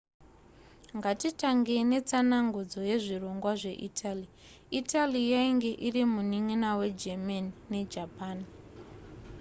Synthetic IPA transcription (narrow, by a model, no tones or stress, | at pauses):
ŋɡatitaŋɡene̞t͡sanaŋɡud͡zo̞je̞ʐiro̞ŋɡwaʐe̞ʔitʰali | itʰalijaiŋɡe̞ʔirimuniŋinawe̞d͡ʒemanine̞d͡ʒapaːn